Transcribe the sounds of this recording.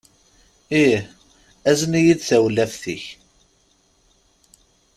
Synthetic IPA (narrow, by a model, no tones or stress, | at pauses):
ih | æzənijid̪θæwlæfθiç